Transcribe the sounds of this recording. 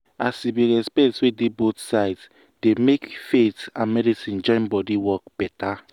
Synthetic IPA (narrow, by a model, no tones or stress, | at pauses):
asibiɹɛspɛtswedebotsaɪds | demekfetãnmɛdisĩnd͡ʒɔ̃nbɔdiwɔkb̥ɛta